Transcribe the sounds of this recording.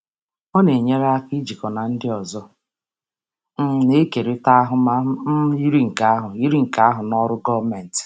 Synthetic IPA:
ɔ˦ne˨ɲe˦ɾa˦a˦ki˦d͡ʒi˨kɔ˨na˨n̩˦dɪ˦ɔ˨zɔ˦ | m̩˦ne˦ke˨ɾe˦ta˦a˦ɦʊ˦ma˦i˦ɾi˦ŋ̩˨ka˦a˦ɦʊ˨i˦ɾi˦ŋ̩˨ka˦a˦ɦʊ˨nɔ˦ɾʊ˦ɡɔ˦me˨n̩˨t

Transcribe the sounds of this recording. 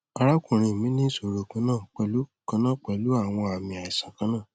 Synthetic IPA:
a˧ɾa˦kũ˦˨ɾ̃ĩ˧˨mĩ˦nĩ˦so˨ɾo˨˧kũ˧˦nãː˦˨k͡pɛ˧lu˨˦kã˧˦nã˦˨k͡pɛ˧˨lu˨˦a˦˨w̃ɔ̃˧a˨mĩ˧˨a˨i˨sã˨kã˨˦nãː˦˨

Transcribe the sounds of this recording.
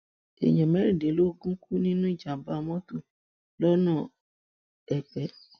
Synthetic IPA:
ḛ˨j̃ã˨mɛ˨˦ɾi˦˨de˨˦lo˦ɡũ˦ku˦nĩ˦nũ˦i˦˨d͡ʒa˨ba˦˧mɔ̃˦tu˦˨ | lɔ˦nã˦˨ | ɛ˨k͡pɛ˨˦

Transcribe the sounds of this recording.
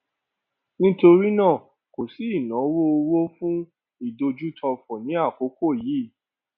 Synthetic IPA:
nĩ˦to˧ɾi˦nãː˦˨ | ko˨si˨˦i˦˨nã˨˦wo˦o˧wo˦fũ˦ | i˦˨do˧d͡ʒu˦tʰɔ˧fɔ˨nĩ˨˦a˦˨ko˨˦ko˦˨ji˨˦

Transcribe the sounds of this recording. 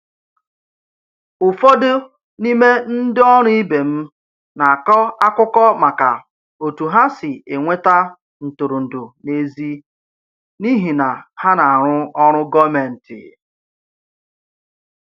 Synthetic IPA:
ʊ˨fɔ˦dɪ˦ | ni˦me˦n̩˦dɪ˦ɔ˦ɾʊ˦i˦be˨m̩˦ | na˨a˨kɔ˦a˦kʊ˦kɔ˦ma˨ka˨ | o˨tu˨ɦa˦sɪ˨e˨ŋʷe˦ta˦ | n̩˨tʊ˨ɾu˨n̩˨dʊ˨ne˦zi˦ | ni˦ɦi˨na˨ha˦na˨a˨ɾ̃ʊ˦ɔ˦ɾ̃ʊ˦ɡɔ˦me˨n̩˨tɪ̰˨

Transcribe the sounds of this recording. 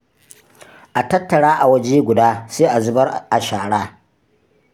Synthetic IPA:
ʔa˨tɐ˦tːɐ˨ɽaː˦ʔa˨wɐ˦d͡ʒeː˦ɡʷʊ˨daː˦seː˦ʔa˨zʊ˦bɐ˦rʔa˨ʃaː˨ɽaː˦

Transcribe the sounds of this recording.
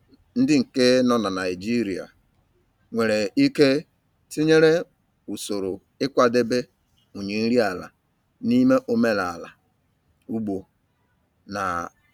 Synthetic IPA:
n̩˦dɪ˦ŋ̩˨ke˦nɔ˦na˨na˨ɪ˨d͡ʒi˦ɾi˨a̰˨ | ŋʷe˨ɾe˨i˦ke˦ | ti˦ɲe˦ɾe˦ | u˨so˨ɾo˨ | ɪ˦kʷa˦de˦be˦ | o˨ɲe˨n̩˦ɾi˦a˨la̰˨ | ni˦me˦ʔo˦me˦la˨la̰˨ | u˦ɡ͡bo˨ | na̰˨

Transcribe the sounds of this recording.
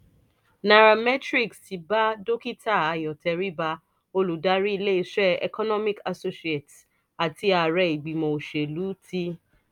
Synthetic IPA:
na˨ɾa˨mɛ˦tɾi˦˨ksti˧˦ba˦do˦ki˦ta˦˨a˨˧jɔ˨tɛ˨˧ɾi˦ba˧˦ | o˧lu˨da˨˦ɾi˦i˧le˦i˧ʃɾɛ˦ɛ̰˨kɔ˦nɔ̃˦mĩ˨ka˨so˦si˦e˨t | a˨ti˧a˨ɾɛ˧˨i˨ɡ͡bi˨mɔ̃˨o˨ʃe˨lu˨˦ti˦

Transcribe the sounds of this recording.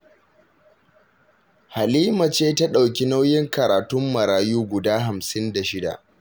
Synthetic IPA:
ha˨liː˦ma˨t͡ʃeː˦ta˦ɗa˨wkʲi˦na˦wjɪ˦ŋkɐ˨ɾaː˨tʊ˦mːɐ˨ɾaː˨juː˦ɡʷʊ˨daː˦ɦa˨msɪ˦nda˨ʃɪ˦da̰˨ʔ

